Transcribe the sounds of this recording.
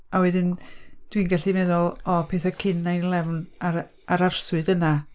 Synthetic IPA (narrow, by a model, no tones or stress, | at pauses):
awɛdɪnd̥winɡaɬimɛðɔlˠɔpʰeːθakʰɪnajlˠɛwna | aɾarswɨdəna